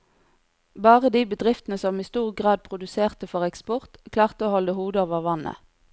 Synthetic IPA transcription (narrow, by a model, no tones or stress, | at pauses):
bɑːʁəd̪iːbəd̪ʁɪft̪ənəsɔmiːst̪uːʁɡʁɑːd̪̚pʰʁʊd̪ʉseːʁt̪əfɔʁɛkspʊʁt̪kʰlɑːʁt̪əoːhɔləhuːd̪əoːʋəʁʋɑnə̰